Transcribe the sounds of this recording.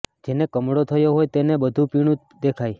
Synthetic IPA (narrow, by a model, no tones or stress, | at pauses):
d͡ʒenekəmɽot̪ʰəjoɦojt̪enebəd̪ʱupiɽ̃ũt̪ | d̪ekʰaj